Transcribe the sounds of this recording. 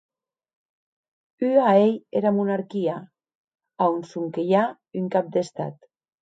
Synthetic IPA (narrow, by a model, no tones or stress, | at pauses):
yaejeɾamunaɾkia | aonsuŋkeja | yŋkap̚d̪est̪a̰t̪